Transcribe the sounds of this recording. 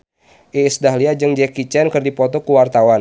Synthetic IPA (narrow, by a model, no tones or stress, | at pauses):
ʔiːsdaɦliad͡ʒɨŋd͡ʒɛkit͡ʃɛnkərdipɔt̪ɔkuwart̪awan